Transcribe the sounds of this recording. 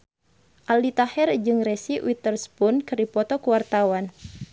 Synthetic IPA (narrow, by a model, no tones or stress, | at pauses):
ʔaldit̪ahɛrd͡ʒɨŋresiwit̪ərspʊnkərdipɔt̪ɔkuwart̪awan